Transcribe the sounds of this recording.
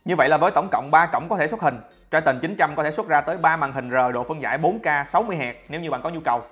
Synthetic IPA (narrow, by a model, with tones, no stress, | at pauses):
ɲɨ˧və̰˧˨jlaː˨˩vəː˨˦jt̪ə˧˩wŋ͡mkə̰˧˨wŋ͡mɓaː˧kə̰˧˨wŋ͡mkɔ˨˦t̪ʰe˧˩swt̚hï˨˩ŋ̟ | t͡ɕwɔː˧˩jt̪i˨˩ŋ̟t͡ɕï˨˦ŋ̟t͡ɕa˧mkɔ˦t̪ʰe˧˩st̚zaː˧t̪əː˨˦jɓaː˧maː˨˩ɦï˨˩ŋ̟zəː˨˩ɗo̰˧˨fɨ˧əŋza̰ː˧˩jɓo˨˦nkaː˧sa˨˦wmɨ˧əjɦɛ˨˩k̚ne˨˦wɲɨ˧ɓa̰ː˧˨ŋkɔ˨˦ɲu˧kə˨˩w